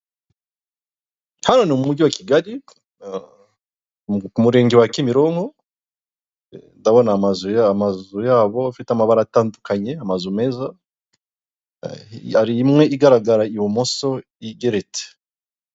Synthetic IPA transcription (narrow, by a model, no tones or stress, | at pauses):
hano̞nimumuɟiwakiɡaɾi | kumuɾe̞ːŋɡewakimiɾo̞ːŋho̞ | ndaβo̞naːmazujaːmazujaːβo̞fitamaβaɾataːndukaɲe̞amazume̞za | aɾiːmŋe̞ʔiɡaɾaɡaɾaiwomoso̞ | iɡeɾet͡se̥